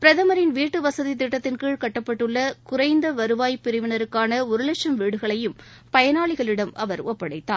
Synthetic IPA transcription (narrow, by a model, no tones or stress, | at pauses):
pɪɾɐðɐmɐɾɪnʋiːʈːɯʋɐsɐðit̪ːɪʈːɐt̪ːɪnkiːɭkɐʈːɐpːɐʈːɯɭːɐkʊɾɐɪnd̪ɐʋɐɾɯʋaːjpɪɾɪʋɪnɐɾɯkːaːnɐʊɾɯlɐʈʂɐmʋiːɽɯɣɐɭɐjɯm | pɐjɐnaːɭɪɣɐɭɪɽɐmɐʋɐɾɔpːɐɽɐɪt̪ːaː